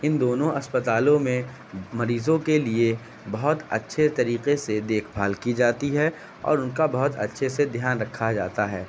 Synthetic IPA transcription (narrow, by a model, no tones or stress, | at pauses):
ɪnd̪oːnõʔɐspət̪aːlõmẽ | mɐɾiːzõkelie | bɐɦʊt̪ɐ̰tːʃʰet̪ɐɾiːqesed̪eːkʰbʱaːlkid͡ʒaːt̪iɦɛ | ɔ̰ːɾʊnkabɐɦʊt̪ɐ̰tːʃʰesed̪ʱjaːnɾɐkʰːad͡ʒa̰ːt̪aɦɛː